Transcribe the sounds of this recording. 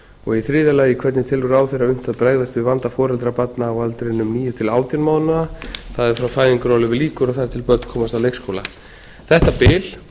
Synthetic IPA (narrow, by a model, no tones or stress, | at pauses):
ɔɣiθɾɪːðɪalajikʰvɛt̪nɪt̪ʰɪlʏɾaːwθejraʏm̥t̪aðpɾaːjɣðast̪vɪvant̪afɔːɾɛlt̪ɾapat̪naːwalt̪ɾɪnʏmniːjʏt̪ʰɪlaːwt̪janmaːwðnaaθaðɛɾ̥fɾawfaːjðiŋkʏɾawlʏvɪliːkʏɾɔθaɾt̪ʰɪlpœt̪n̥kʰɔːmast̪awlejkskʰowla̰ | θɛht̪apɪːl̥